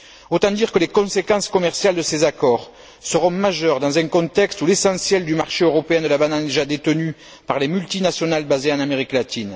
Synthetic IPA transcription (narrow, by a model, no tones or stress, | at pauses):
ot̪ɑ̃d̪iʁkəlekɔ̃sekɑ̃skɔmɛʁsjald̪əsezakɔʁ | səʁɔ̃maʒœʁd̪ɑ̃zɛ̃kɔ̃t̪ɛkst̪ulesɑ̃sjɛld̪ymaʁʃeøʁɔpeɛ̃d̪əlabanãd̪eʒad̪et̪əny | paʁlemylt̪inasjɔnalbazeɑ̃nameʁiklat̪in